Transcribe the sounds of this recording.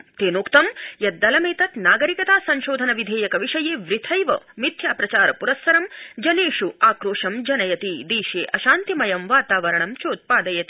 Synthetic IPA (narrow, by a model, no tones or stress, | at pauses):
t̪eːnoːkt̪ɐmjɐd̪ːɐlɐmeːt̪ɐt̪naːɡɐɾikɐt̪aːsɐɲʃoːd̪ʱɐnɐʋid̪ʱeːjɐkɐʋiʂɐjeːʋɾit̪ʰɐjʋɐ̰mit̪ʰjaːpɾɐt͡ʃaːɾɐpuɾɐsːɐɾɐmd͡ʒɐneːʂuaːkɾoːʂɐmd͡ʒɐnɐjɐt̪id̪iːʃeːʔɐʃaːnt̪imɐjɐmʋaːt̪aːʋɐɾɐɳɐmt͡ʃoːt̪̚paːd̪ɐjɐt̪i